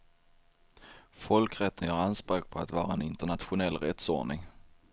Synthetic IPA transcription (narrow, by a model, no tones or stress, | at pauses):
fɔlkɾɛt̪ʰːənjœːɾanspɾøːk̚pʰɔat̪vɑːɾaɛnɪnt̪əɳat̪ɧʊnɛlːɾɛt̪sɔɖɳɪŋ